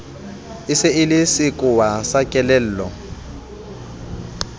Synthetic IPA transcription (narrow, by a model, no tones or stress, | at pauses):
ɪsɪɪlɪsɪkʼʊwasakʼɛlɛl̩ːlɔ